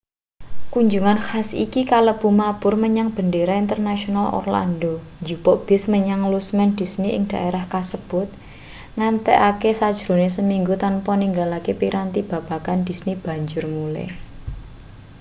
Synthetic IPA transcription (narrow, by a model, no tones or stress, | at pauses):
kuɲd͡ʒuŋanxasḭkikaləb̥ṳmab̥ʊrməɲaŋb̥ə̤ndeɾaint̪ərnaʃionalɔ̰rla̰ndoɲd͡ʒubɔʔb̥ɪ̤sməɲaŋlusmɛnd̪̥i̤sniʔɪ̰ŋd̪̥a̤ʔeɾahkasəb̥ʊ̤t̪̚ | ŋant̪ɛʔakesad̥ʒ̥ɾo̤nesəmiŋɡut̪anpɔniŋɡalakepiɾant̪ib̥ä̤b̥a̤kand̪̥i̤snib̥ä̤ɲd͡ʒʊrmulɛ̰